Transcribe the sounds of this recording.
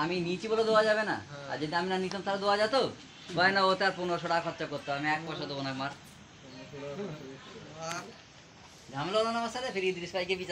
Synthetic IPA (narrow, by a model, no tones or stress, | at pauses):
aminit͡ɕiboled̪ewad͡ʑabena̰a̰ɾd͡ʑed̪iaminanit̪omt̪aɾad̪ewad͡ʑat̪o | bɔenaot̪aɾpunoɾoʃoɽakʰɔtːʃakoɾt̪oamiɛk̚pɔʃod̪obonakmaɾ | d̪ʱamloonanamasaɾefʰiɾid̪iɾispajkebit͡ɕa